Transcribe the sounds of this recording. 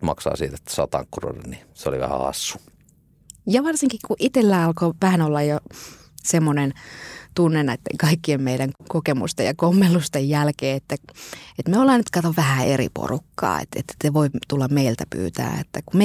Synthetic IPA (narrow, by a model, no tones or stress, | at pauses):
mɑksɑ̰ːsiːt̪et̪ːæ̥sɑ̰ːt̪ɑ̰ŋkːuro̰nenniseolḭʋæ̰hæ̰ɑ̰sːu̥ | jɑʋɑrsiŋkikkuʔit̪elːæːɑlkoʋæhænolːɑjjo | semːonent̪unːenæit̪ːḛŋkɑikːiemmeiɾæŋkokemṵst̪ejɑkomːelːust̪ejjælkeːet̪ːæet̪meolːɑnːyt̪kɑt̪oʋʋæhæerḭpo̰rukːɑ̰ːḛt̪ḛt̪ːseʋoit̪ulːɑmmeilt̪æpy̰ːt̪æ̰ːḛt̪ːækume